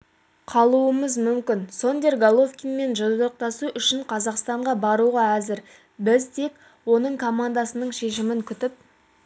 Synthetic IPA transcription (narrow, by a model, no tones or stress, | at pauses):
qʰɑlˠuəməzmʏmkʲɪnso̞nd̪eɾɡolˠofkʲinme̞nʒod̪əɾəq̚t̪ɑsuʔʏʃɪɴqʰɑzɑqst̪ɑɴʁɑbɑɾuʁɑæzɪɾ | bɪzt̪ʰe̞k | wo̞nəɴkʰo̞mand̪asənəɴʃe̞ʃɪmɪŋkʲʰʏt̪ɪp̚